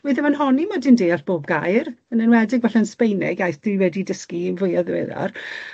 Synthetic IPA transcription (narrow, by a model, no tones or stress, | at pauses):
wiðɛmanɦɔnimadɪndeːaɬb̥oːb̚ɡajrənənwɛdɪɡvɛɬanspejnɪ̰ɡjajθd̥uwɛdidəskinvʊjaðwḛða̰r